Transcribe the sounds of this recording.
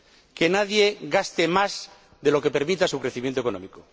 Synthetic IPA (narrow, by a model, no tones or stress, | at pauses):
ke̞naðje̞ɣast̪emaz | ðelo̞ke̞pe̞ɾmit̪asukɾeθimjent̪oko̞nõ̰miko